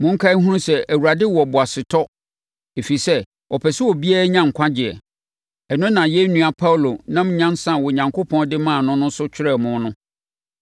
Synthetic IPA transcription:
mʊ̃˨ŋ̩˦kʰa˦ɦũ˦ɾũ˦sɛ˦ʔæ˨wu˨ɾa˨dɪ˦wɔ˨bʊ˨a˨sɪ˨tʰɔ˦ | e˨fi˨sɛ˦ | ʔɔ˨pʰɛ˨sɪ˦wɔ˨bi˦a˦ɾa˦ɲã˦ŋ̩˨kʷʰã˦d͡ʑɪ˨ɛ̰˨ | ɛ˨nʊ̃˦nã˨jɛ˦nũ˨a˨pʰa˦wlo˨nã˦m̩˦ɲã˦nsã˦˨wɔ˨ɲã˨ŋkʰo˦pʰɔ̃˦ndɪ˦mã˦˨nʊ̃˦nʊ̃˦sʊ˦t͡ɕᶣʰɪ˦ɾɛ˦˨mʊ̃˦nʊ̃˦

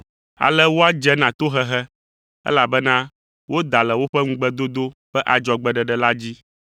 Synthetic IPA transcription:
a̰˨lɛ˦wo˦a˦d͡ʒɛ˦nã˨t̪o˦ɦɛ˦ɦɛ˦ | ɛ̰˦la˨bɛ˦nã˦ | wo˦d̪a˨lɛ˨wo˦ɸɛ˦ŋũ˦ɡ͡bɛ˦d̪o˦d̪o˦ɸɛ˦ʔa˨d͡ʒɔ˨ɡ͡bɛ˨ɖɛ˨ɖɛ˨la˦d͡ʑi˦

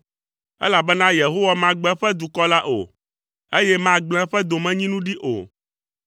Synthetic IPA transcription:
ɛ̰˦la˨bɛ˦nã˦je˨ɦo˦wa˦mã˦ɡ͡bɛ̃˦ɸɛ˦d̪u˨kɔ˦la˦ʔo̰˨ | e˦jɛ˦mã˦ɡ͡bl̃ɛ̃˦ɸɛ˦d̪o˨mɛ̃˦ɲĩ˦nũ˦ɖi˦ʔo̰˨

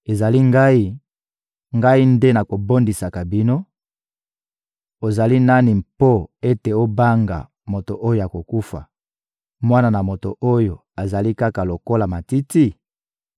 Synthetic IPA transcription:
e˨za˨li˦ŋɡa˦i˦ | ŋɡa˦i˦nde˦na˨ko˨bo˦ndi˨sa˨ka˨bi˦no˦ | o˨za˨li˦na˦ni˨mpo˦e˦te˨o˦ba˦ŋɡa̰˨ | mo˨to˨ʔo˦jo˨ja˨ko˨ku˦fa̰˨ | mwa˦na˨na˨mo˨to̰˨ʔo˦jo˨ | a˨za˨li˦ka˦ka˨lo˨ko˦la˨ma˨ti˦ti˦

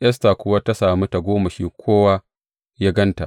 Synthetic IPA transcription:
ʔɐ˦s̬ta˨kʷʊ˦wa˦ta˦saː˨mi˦ta˨ɡʷoː˦ma˨ʃiː˦kʷʰoː˦wa˦ | jaː˦ɡɐ˦nta̰˨ʔ

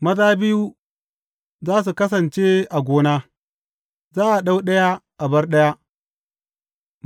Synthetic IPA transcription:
mɐ˦daː˦bɪ˦ju˦ | zaː˦s̬u˨kɐ˦s̬ɐ˨nt͡ʃe˦ʔa˨ɡʷoː˦naː˦ | zaː˦ʔa˨ɗa˦wɗɐ˦ja˦ʔa˨bɐ˦rɗɐ˦ja˦

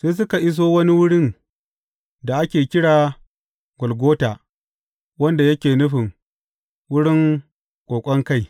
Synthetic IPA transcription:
seː˦s̬ʊ˦ka˨ʔɪ˦s̬oː˦wɐ˦ni˦wʊ˦ɽɪ˦n | da˨ʔa˦kʲeː˨kʲɪ˦ɽaː˨ | ɡʷɔ˨lɡʷoː˦taː˨ | wɐ˦nda˨jɐ˦kʲeː˨nʊ˦ɸɪ˨ŋ | wʊ˦ɽɪ˦ŋ | kʷʼoː˨kʷʼɔ˦ŋka˦˨j

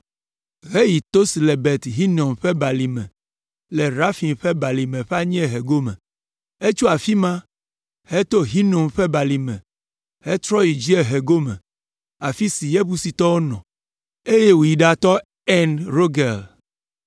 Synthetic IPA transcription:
ɦe˦ji˨t̪o˦si˨le˨bɛ˨t̪ɦi˦nõ˨mɸɛ˦ba˨li˨mɛ̰̃˨ | lɛ˨ɾa˦fi˨mɸɛ˦ba˨li˨mẽ˨ɸɛ˦a˦ɲĩ˦e˨ɦe˨ɡo˦mɛ̰̃˨ | e˦t͡ʃu˦a˨fi˦mã˦ | he˦t̪o˦ɦi˦nõ˨mɸɛ˦ba˨li˨mɛ̰̃˨ | he˦t̪ɾɔ˦ji˨d͡ʒi˦e˦ɦe˨ɡo˦mɛ̰̃˨ | a˨fi˦si˨je˦bu˦si˨t̪ɔ˦wo˦nɔ̰̃˨ | e˦je˦wu˨ji˨ɖa˨t̪ɔ˦ | ɛ˦nɾo˦ɡe˨l

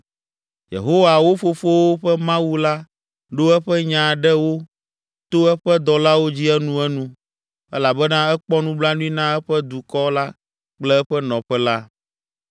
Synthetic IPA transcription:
jḛ˨ɦo˦wa˨wo˦fo˦fo˦wo˦ɸɛ˦mã˦wu˦la˦ | ɖo˦ɛ˦ɸɛ˦ɲã˨ɖɛ˦wo˦ | t̪o˦ɛ˦ɸɛ˦d̪ɔ˨la˦wo˦d͡ʑi˦ɛ˦nũ˦ɛ˦nũ˦ | ɛ̰˦la˨bɛ˦nã˦ɛ˦k͡pɔ˦nũ˦bla˦nũ˦i˦nã˦ɛ˦ɸɛ˦d̪u˨kɔ˦la˦ | k͡plɛ˦ɛ˦ɸɛ˦nɔ̃˨ɸɛ˦la˦

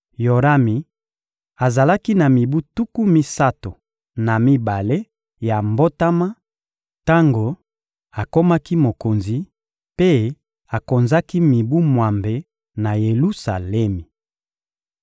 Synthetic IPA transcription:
jo˨ʁa˦mi˨ | a˨za˨la˦ki˦na˨mi˨bu˦tu˦ku˦mi˦sa˦to˨ | na˨mi˦ba˨le˦ | ja˨mbo˦ta˦ma˦ | ta˦ŋɡo˨ | a˨ko˦ma˦ki˦mo˨ko˨nzi˨ | pe˦ | a˨ko˨nza˦ki˦mi˨bu˦mwa˨mbe˨ | na˨je˨lu˦sa˨lɛ˦mi˨

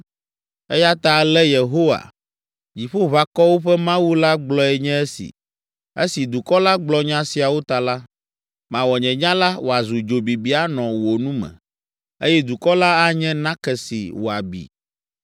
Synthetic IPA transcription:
ɛ˦ja˦t̪a˨lɛ˦je˨ɦo˦wa̰˨ | d͡ʑi˨ɸo˦βa˨kɔ˦wo˦ɸɛ˦mã˦wu˦la˦ɡ͡blɔ˦ɛ˨ɲɛ̃˦e˦sḭ˨ | ḛ˦si˨d̪u˨kɔ˦la˦ɡ͡blɔ˦ɲã˦si˨a˨wo˦t̪a˨la˦ | mã˨wɔ˨ɲɛ̃˨ɲã˦la˦wʔo˨a˨zu˨d͡ʒo˨bi˨bi˨˦a˦nɔ̃˨wo˨nũ˦mɛ̰̃˨ | e˦jɛ˦d̪u˨kɔ˦la˦a˦ɲɛ̃˦nã˦kɛ˨sḭ˨wo˨a˨bḭ˨

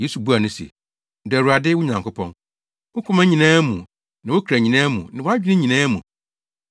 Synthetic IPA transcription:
je˦su˨bu˦a˨nʊ̃˦sḛ˨˦ | dæ˨ɾu˨a˨dɪ˦wʊ˦ɲã˨ŋkʰʊ˦pʰɔ̰̃˦n | wʊ˦kʰʊ˦mã˦ɲĩ˨nãː˦mũ˨ | nã˨wʊ˦kʰɾæ˨ɲĩ˨nãː˦mṵ̃˨nã˨wɔ˦a˦d͡ʑᶣɪ˦nɪ̃˦ɲĩ˨nãː˦mṵ̃˨

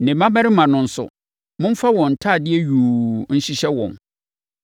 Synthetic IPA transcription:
nɪ̃˨mã˦bɛ˦ɾɪ˦mã˨nʊ̃˨n̩˦sʊ̰˨ | mʊ̃˦m˦fa˦wɔ̃˨n̩˨tʰa˦˨dɪ˦ɛ˦ɥuː˨n̩˦ɕi˦ɕɛ˦wɔ̰̃˨n

